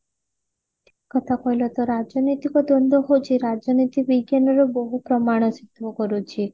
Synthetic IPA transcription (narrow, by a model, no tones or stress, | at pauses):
kɔt̪ʰakɔjlɔt̪ɔɾad͡ʒɔnit̪ikɔd̪ɔnd̪ʱɔɦot͡ʃʰiɾad͡ʒɔnit̪ibiɡjanɔɾɔbɔɦupɾɔmaɽ̃ɔsit̪ʋɔkɔɾut͡ʃʰi